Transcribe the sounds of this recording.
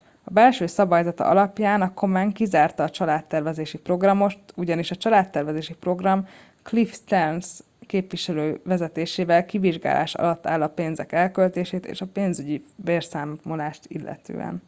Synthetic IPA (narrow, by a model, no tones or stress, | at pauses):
ɒbɛlʃøːsɒbɔjzɒt̪ɒ̰ʔɒ̰lɒpjaːnɒkʰo̞maːŋkizaːrt̪ɒːt͡ʃɒlaːt̪ːɛrvɛzeːʃipro̞ɡrɒmo̞ʃt̪uɟɒniʃɒt͡ʃɒlaːt̪ːɛrvʋɛzeːʃipro̞ɡrɒm | klifst̪ɛrns | keːpʋiʃɛløːvɛzɛt̪eːʃeːvɛlkiviʒɡa̰ːlʔa̰ːʃɒ̰lɒt̪ːaːlːɒpeːnzɛkɛlkølt̪eːʃeːt̪ḛːʃɒpeːnzyɟiveːrsaːmːolaːʃt̪ḭlːɛ̰t̪ø̰ːɛ̰n